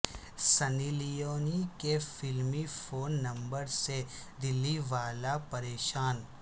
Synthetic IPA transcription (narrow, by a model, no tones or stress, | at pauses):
sɐnilijoːnikefɪlmifoːnːɐ̃mbəɾsed̪ɪlːiʋaːlapɐɾeːʃaːn